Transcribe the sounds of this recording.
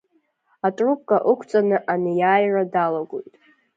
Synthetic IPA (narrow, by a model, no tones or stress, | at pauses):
atʼrup̚ʼkʼaʔukʷʰt͡sʼanɨʔanɨjaːjradalaɡojtʼ